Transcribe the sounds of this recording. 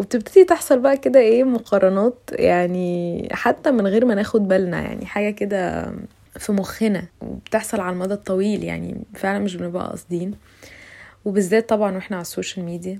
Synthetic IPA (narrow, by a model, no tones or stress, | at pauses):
web̚t̪ebt̪ed̪it̪eħsˤɑlbæʔæked̪æʔeːmoqʰɑɾˤɑnɑːt̪jaʕniħat̪ːæmenɣeːɾmænæːxod̪̚bælnæ̰ja̰ʕnḭħaːɡæked̪æ | fimoxenæwḛbt̪eħsˤɑlʕalælmɑd̪ˤɑt̪ˤːɑwiːlja̰ʕnḭfeʕlænmeʃ̬benebæʔæ̰ʔɑ̰sˤd̪iːn | webezːæːt̪ˤːɑbʕɑnweħnæʕalæsːoːʃælmiːd̪ijæ